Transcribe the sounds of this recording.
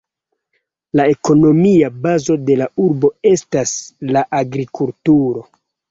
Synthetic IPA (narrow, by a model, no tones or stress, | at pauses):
lae̞ko̞no̞miabazo̞de̞lauɾbo̞e̞staslaʔaɡɾikultuɾo̞